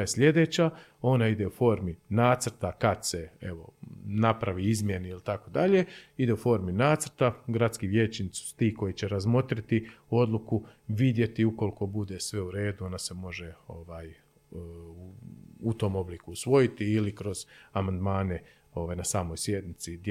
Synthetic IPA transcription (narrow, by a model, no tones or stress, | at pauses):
esʎʲe̞d̪e̞ːt͡ɕa | o̞naid̪e̞ufo̞ːɾminaːt̪sɾt̪akad̪se̞ḛʋo̞napɾaʋiizmje̞neilit̪ako̞d̪aʎe̞id̪e̞ufo̞ːɾminaːt̪sɾt̪aɡɾat̪skiʋje̞ːt͡ɕnit̪su̥su̥t̪iːko̞jit͡ɕe̞ɾazmo̞t̪ɾit̪io̞d̪lˠukuʋid̪je̞t̪iuko̞liko̞bud̪e̞sʋe̞uɾe̞ːd̪uo̞nase̞mo̞ʒe̞o̞ʋaːj | uut̪o̞ːmo̞blikuːsʋo̞jit̪iːlikɾo̞z̥amand̪maːne | o̞ʋaːjnasaːmo̞jsje̞d̪nit̪sid̪